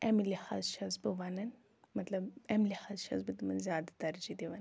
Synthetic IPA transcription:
ʔɛmiliha̰ːzʃɐzbɨʋɐnɨn | mɐt̪lɐbɛmlihazʃɐ̰zbɨd̪ɨmɐnzijaːd̪ɐd̪ɐɾd͡ʒid̪iʋɐn

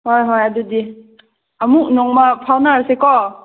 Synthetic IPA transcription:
hojɦɔjadudi | amuʔ̚nɔŋmapʰawnasekɔ

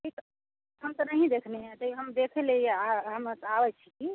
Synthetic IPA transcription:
ʈʰik | ɦəmt̪ənəɦĩd̪ekʰneɦẽt̪əɦəmd̪ekʰelejeaɦəmt̪abɛt͡ʃʰiki

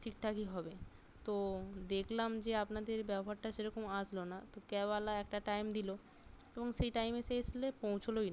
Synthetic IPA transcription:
ʈʰik̚ʈ̪ʰakiɦɔbe | t̪od̪ekʰlamd͡ʑeapnad̪eɾbɛboɦaɾʈaʃeɾɔkomad͡ʑlonat̪okɛbalaɛkʈaʈajmd̪ilo | eboŋʃejʈajmeseeslepõw̃t͡ɕʰolojna

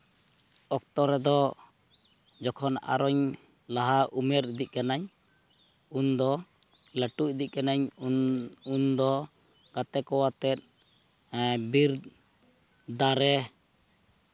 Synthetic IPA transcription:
ɔk̚t̪ɔɾɛd̪ɔ | d͡ʒɔkʰɔna̰ɾɔɲ | laɦaʔumɛɾd̪iʔ̚kanaɲ | und̪ɔ | ləʈuc̚d̪ic̚kanaɲ | und̪ɔ | ɡ̥at̪ɛkɔwat̪ɛt̪̚ | biɾd̪ | d̪aɾɛ

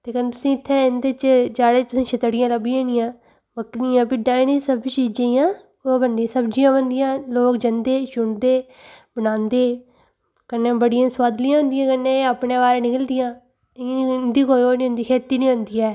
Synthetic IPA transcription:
t̪eːkənt̪ʊsĩːɪt̪ʰːeːɪnd̪et͡ʃd͡ʒaːɽeːt̪ʊsĩːt͡ʃʰət̪ɽɪjãːləbijãːnijãː | bəkiːãːpɪɖãːɪ̃nisəbt͡ʃiːd͡ʒẽːjãː | oːbənd̪iãːsəbd͡ʒijãːbənd̪ɪjãːloːkd͡ʒənd̪eːʃʊɳd̪eː | bənãːnd̪eː | kənːẽːbəɽɪjãːswaːd̪lɪjãːɦʊ̃nd̪ɪjãːkənːẽːapɳẽːʋaːɾenɪkəld̪ɪjãː | t̪ːnd̪iːkoːjoːnĩːʊ̃nd̪iːkʰeːt̪iːnĩːɦʊ̃nd̪iːɛː

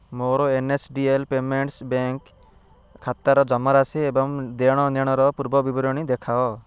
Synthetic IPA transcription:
moɾɔenesɖielpemeɳʈsbeŋkʰː | at̪aɾɔd͡ʒɔmɔɾasiebɔŋd̪eɽ̃ɔnɔɽ̃ɔɾɔpuɾbɔbibɔɾɔɽ̃id̪ekʰaɔ

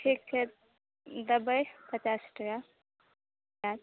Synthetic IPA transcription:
ʈʰik̚t͡ʃʰe | d̪əbəjpət͡ʃasʈəka | jad̪

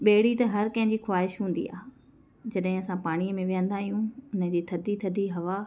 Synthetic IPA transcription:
ɓeːɽit̪ɐɦɐɾkɐ̃ɦɪ̃ɲd͡ʑiːxwaːɦɪʃɦũːnd̪ḭa̰ːɦ | d͡ʑɐɗɦɪ̃ɐsãpaːɽ̃iəmẽʋijə̃nd̪aːɦijũʊnə̃̆d͡ʑiːt̪ʰɐd̪ʱit̪ʰɐd̪ʱiɦɐʋa

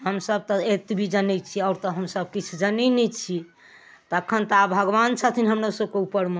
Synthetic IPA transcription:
ɦəmsəbt̪ɔet̪bʱid͡ʒənɛt͡ʃʰiɔʊɾt̪ɔɦəmsəb̚kit͡ʃʰud͡ʒənɛnɛt͡ʃʰi | t̪ɔəkʰːənt̪ɔabʱəɡʋant͡ʃʰət̪ʰinɦəmɾasəbkeupːəɾm

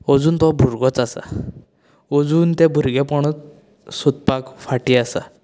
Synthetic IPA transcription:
ɔd͡zuːnt̪ɔbʱuɾɡɔt͡sasa̰ | ɔd͡zuːnt̪ɛ̃bʱuɾɡɛpɔɽ̃ɔt͡s | sut̪̚pakfaʈiasa̰

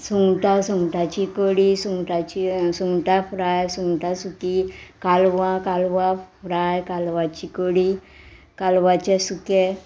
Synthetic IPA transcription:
suŋɡʈasuŋɡʈat͡ɕikoɽisuŋɡʈat͡ɕisuŋɡʈafɾajsuŋɡʈasukikalʋãkalʋafɾajkalʋat͡ɕikoɽi | kalʋat͡ɕesuke

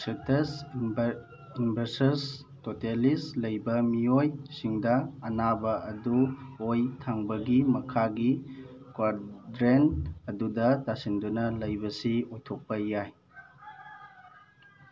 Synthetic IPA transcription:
sites | inbɐɾsɐs | totelislɐjbɐmiojsiŋdɐɐnabɐɐduojtʰaŋbɐɡimɐkʰaɡi | kwaɾdɾenɐdudɐtasindunɐlɐjbɐsiojtʰok̚pɐjaj

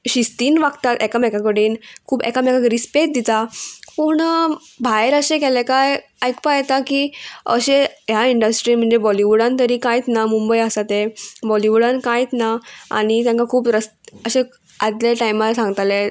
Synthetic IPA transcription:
ɕist̪iːnʋakt̪at̪ɛkamɛkakəɽiːnkʰuːbɛ̰kamɛkakəɾispet̪̚d̪it̪apuɳə | bʱajɾəɕẽkɛlekaj | ajkpajt̪akiəɕejaiɳɖəsʈɾiːnm̤əɳd͡zebɔliʋuɽãnt̪əɾiːkãjt̪namumbəjəsat̪ebɔliʋuɽãnkajt̪naa̰ñit̪jãŋkakʰuːpɾəst̪əɕẽ | ad̪ljeʈajmasãŋɡt̪ale

